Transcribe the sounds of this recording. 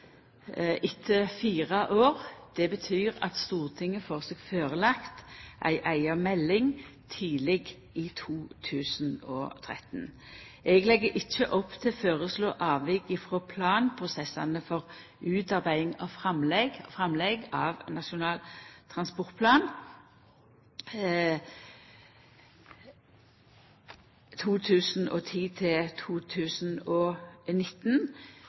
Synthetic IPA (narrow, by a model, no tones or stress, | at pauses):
ʔɪt̪ʰːəfiːʁɑʔoːʁd̪̥ɛbət̪ʰyːʁɑ̰t̪st̪uːʁt̪ʰɪŋːəfoːʁseːɡføːʁəlɑkt̪ʔæ̰ɪʔæɪɑmɛlːɪŋt̪ʰiːlɛɡ | iːt̪ʰuːt̪ʰʉːsn̩ɔ̰ːt̪ʰʁɛ̰t̪n | ʔɛɡlɛɡːəʔɪçːəʔɔpːt̪ʰɪlføːʁəsloːʔɑːʋɪɡɪfʁoːpʰlɑːnpʰʁʊsɛsːɑ̰nəfɔʁ | ʉːt̪ɑʁbæɪɪŋɔfʁɑmlɛɡfʁɑmlɛɡɑʋnɑʃʊnɑːlt̪ʰʁɑnspɔʁt̪̚pʰlɑːn | t̪ʰuːt̪ʰʉːsn̩ʔɔ̰t̪ʰiːt̪ʰɪlt̪ʰuːt̪ʰʉːsn̩ɔːnɪt̪n